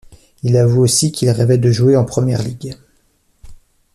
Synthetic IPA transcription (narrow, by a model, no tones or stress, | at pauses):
ilavuosikʰʲilʁɛvɛd̪əʒueɑ̃pχəmjɛ̰ʁliɡ